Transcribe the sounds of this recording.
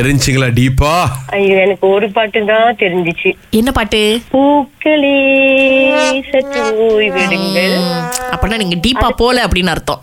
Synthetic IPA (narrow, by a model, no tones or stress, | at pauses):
ɛɾɪɲd͡ʒɯŋɡɐɭaːɖiːpːaːɐjɛnɐkːɯɔɾɯpaːʈːɯd̪ãːt̪ɛɾɪɲd͡ʒɪt͡ʃːɯ | ɛnːɐpaːʈːɯpuːkːɐɭi | sɛʈːujʋɪɽɯŋɡɐɐpːonːaːniːŋɡɐɖiːpːaːpoːlɛɐpːɐɽɪnːɪɾɯt̪ːõ̰